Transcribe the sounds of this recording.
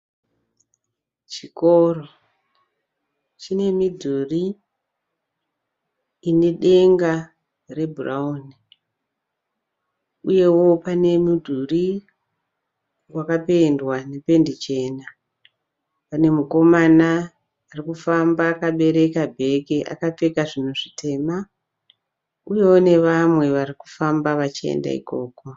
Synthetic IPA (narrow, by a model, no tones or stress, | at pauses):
t͡ʃikoro | t͡ʃine̞midʱuri | ne̞ɗe̞ŋɡa | re̞bʱurauni | uje̞wo̞pane̞mudʱuri | wakape̞ndwane̞pe̞ndit͡ʃe̞ːna | pane̞muko̞manaː | rikufambaːkaɓe̞ɾe̞kabʱe̞keʔa̰kap͡fe̞kaʐinuʐite̞ma | uje̞wone̞ʋamwe̞ʋariku̥fambaʋat͡ʃiḛnda̰ḭko̞̰ːko